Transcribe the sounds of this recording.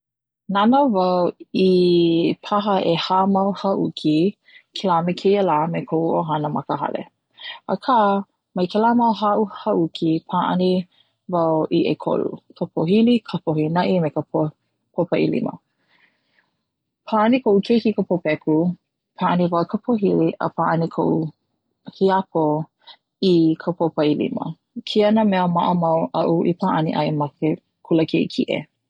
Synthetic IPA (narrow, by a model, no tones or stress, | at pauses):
nanovɐwi | pʰaɦɐʔehamɐwhɐʔukʰi | kʰɛlamekʰejəlaːmekʰoʔuoɦɐnəmɐkəɦɐ̰lḛ | ə̰kʰa | mɐjkʰɛlamɐwɦaʔuhɐʔukʰipʰaːʔɐ̰ni | vɐwiʔekʰo̰lṵkʰəpʰoɦilikʰəpʰohinɐʔimekəpo | pʰopɐʔḭlḭmə̰ | pʰaːʔɐnikʰoʔukʰejkikəpʰopɛkʰu | pʰaːʔɐnivɐwkʰəpʰoɦiliʔɐ̰pʰaʔɐnikʰoʔu | hiɐpo | ikʰəpʰopɐilḭmɐ̰ | kʰiɐnəmɛɐmɐʔəmɐwʔɐʔuʔḭpʰaːʔɐnḭʔɐ̰jmɐke | kʰuləkʰeikʰiʔḛ